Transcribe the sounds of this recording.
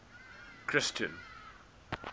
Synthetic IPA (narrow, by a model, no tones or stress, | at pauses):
kʰɾɪstə̰̃n